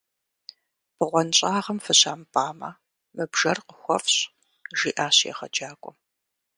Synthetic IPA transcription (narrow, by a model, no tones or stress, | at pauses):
b̥ɨʁʷɔnɕʼaːʁɐmfɨɕaːmpʰʼaːmɐ̰ | mɨbʒɐrqəxʷɔfɕ | ʒiːʔaːɕjɛ̰χɐd͡ʒaːkʷʼɔ